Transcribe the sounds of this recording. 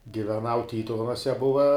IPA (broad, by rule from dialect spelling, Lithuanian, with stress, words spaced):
ɡʲɪʋʲɛˈnɐʊ ˈtʲiːtʊʋʲɛnuɔsʲɛ ˈbʊʋɐ